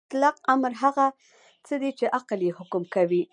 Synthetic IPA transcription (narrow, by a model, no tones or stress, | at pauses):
t̪lɑq̚amɾɦaɣa | t͡səd̪it͡ʃeʔaqaljehʊkʊmkawi